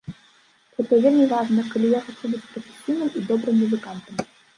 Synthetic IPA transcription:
ɣɛt̪ɔvʲelʲmʲivɑʐnɐkɐlʲijaxɐt͡ɕʲɛwbɨt͡sʲprɔfʲe̥sʲinɨmid̪ɔbɾɨmːuzɨkant̪əm

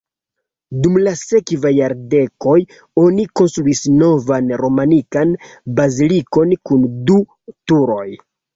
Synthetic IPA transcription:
dumlase̞kvajaɾde̞ko̞j | o̞niko̞nst̪ɾuisno̞vanɾo̞manikanbaziliko̞nkundu | tuɾo̞j

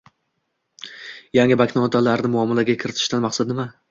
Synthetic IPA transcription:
jaŋʲɪbakʲnɒt̪ʰalaɾnɪmʊɒmalaɡʲakʲʰɪɾɪt̪ʰɪ̥ʃt̪anmaχsad̪nɪma

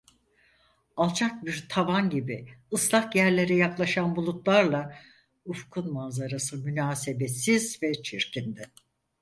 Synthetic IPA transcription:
alˠt͡ʃʰak̚biɾt̪ʰavanɟibiɯslˠakjæɾlʲe̞ɾɛjaklˠaʃanbulˠut̪lˠaɾlˠa | ufkʰunmanzaɾasɯmynaːse̞besizvɛt͡ʃʰiɾcʰind̪ɛ

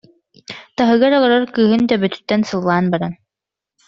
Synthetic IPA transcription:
t̪aɦɯɡaɾɔlˠɔɾɔɾkɯːɦɯnd̪abœt̪y̥t̪ːɛnsɯlˠːaːnbaɾan

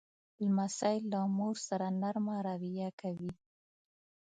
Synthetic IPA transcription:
lmasɑɪlːamuɾsaɾanaɾmɑɾawijakʰawi

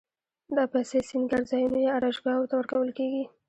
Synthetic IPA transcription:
d̪ɑpajsesinɡaɾzɑjunojeaɾaʒɡɑwot̪awəɾkawəlkeɡi

